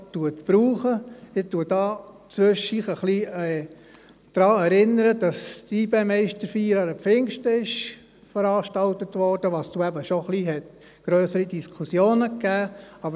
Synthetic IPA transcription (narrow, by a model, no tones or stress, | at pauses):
tuətb̥ɾuːχəɪtːuːəd̥ɑː | t͡sʋʏʃiːχəχliɛ | d̪̥ɾɑːɛɾɪnːəɾəd̥ɑstiːbeːmɛɪʃtəɾfiːɾɑɾəfɪŋʃtəɪʃ | fəɾɑːʃtɑltətʋɔrd̥əʋɑːsd̥uːæbəʃoχliɦɛt | ɡ̥ɾœːsəɾidiskʰusjoːnəkːæːɑbə